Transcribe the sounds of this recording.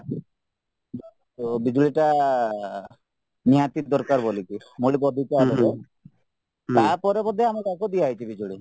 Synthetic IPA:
d͡ʒɔ | bid͡ʒuɭiʈa | niat̪id̪ɔɾkaɾboliki | moɭikɔd̪ʱikaɔle | t̪aɾpɔɾebɔd̪ʱeamɔɾakɔd̪iajt͡ʃʰibid͡ʒuɭi

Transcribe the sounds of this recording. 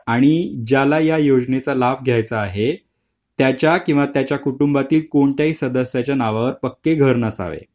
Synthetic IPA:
aɽ̃id͡ʑalajajod͡ʑnet͡salab̚ʱɡʱjajt͡saːɦe | t̪jat͡ɕjakĩw̃ʋat̪jat͡ɕjakuʈumbat̪iːlkoɳt̪jaɦiːsəd̪əsjat͡ɕjanaʋaəɾpəkːeɡʱəɾnəsa̰ʋḛ

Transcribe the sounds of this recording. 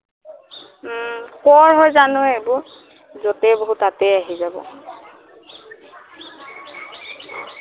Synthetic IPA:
kɔɹɦojzanʊebʊɹ | zɔtɛboɦutatɛjaɦizabɔ̰

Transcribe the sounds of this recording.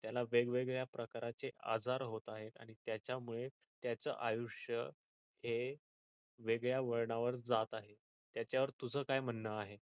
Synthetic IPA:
t̪jalaʋeɡʋeɡɭjapɾəkaɾat͡seʔa̰d͡zʱaɾɦot̪aɦet̪a̰ɽ̃it̪jat͡ɕjamuɭe | t̪jat͡sə̰ʔajuʂjə | he | ʋeɡɭjaʋəɭɳaʋəɾd͡zat̪aɦe | t̪jat͡ɕjaʋəɾt̪ud͡zʱəːkajm̤ənːəaɦe

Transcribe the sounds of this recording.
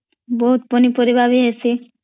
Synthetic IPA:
boɦut̪̚ponipoɾibʱabiɦesʰi

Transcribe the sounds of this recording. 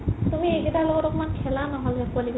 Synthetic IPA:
tumieɡɛtalɔɡɔtɔkmankʰɛlanɔɦɔlɛkualiɡ

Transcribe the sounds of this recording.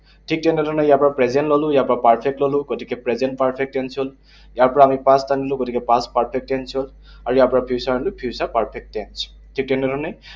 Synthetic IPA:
tʰik̚tɛndɛdʱɔnɛjaɹpɔɹapɹɛzɛntlɔlʊ̃jaɹpɔɹapaɹpʰɛk̚tlɔlʊ̃ɡotʰikɛpɹɛzɛntpaɹpʰɛk̚tɛnsɔl | jaɹpɔɹaːmipastanilʊ̃ɡotʰikɛpaspaɹpʰɛk̚tɛnsɔl | aɹujaɹpɔɹapʰisanlʊpʰiwsapaɹpʰɛk̚tɛns | tʰik̚tɛndɛdʱɔnɛ

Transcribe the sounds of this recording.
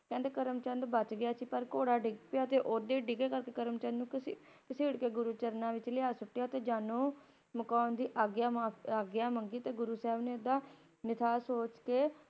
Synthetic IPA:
kɛ̃ːnd̪eːkəɾəmt͡ʃə̃nd̪bət͡ʃɡɪjaːsiːpəɾkoːɽaːɖɪɡpɪjaːt̪eːʔoːd̪eːɖɪɡeːkəɾkeːkəɾəmt͡ʃə̃nd̪nũːkskɪseːɽkeːɡʊɾuːt͡ʃəɾnãːʋɪt͡ʃlɪaːsʊʈːɪjaːt̪eːd͡ʒaːnõː | məkɔːnd̪iːʔaːɡjaːmaːaːɡjaːməŋɡiːt̪eːɡʊɾuːsɛːɛbneːʊd̪ːaː | nɪt̪ʰaːsoːt͡ʃkeː

